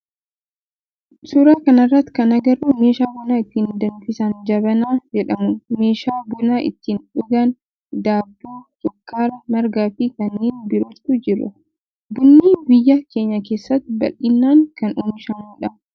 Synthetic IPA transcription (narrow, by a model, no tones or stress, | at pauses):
sʊɾaːkɐnɐrːɐt̪ːkɐnɐɡɐɾːuːme̞ːʃaːbʊnaːɪt̪ːiːnd̪ɐnfɪsɐnd͡ʒɐbɐnaːd͡ʒɛᶑɐmʊme̞ːʃaːbʊnaːʔɪ̰t̪ːiːnᶑʊɡɐn | d̪aːbːuːtɔkːaːɾɐmɐɾɡaːfikɐnːiːnbɪɾɔt̪ːʊd͡ʒɪɾʊ̰ | bʊnːiːbɪjːɐke̞ːɲːɐke̞ːsːɐt̪ːbɐ̰lːɪnːaːŋkɐnʊnɪʃɐmuːᶑɐ